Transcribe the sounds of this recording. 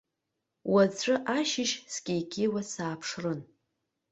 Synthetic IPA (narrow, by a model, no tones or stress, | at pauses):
wat͡ɕʷʼɨʔaʃɪʃsɡʲejkʲʰʼejwasaːpʰʂrɨn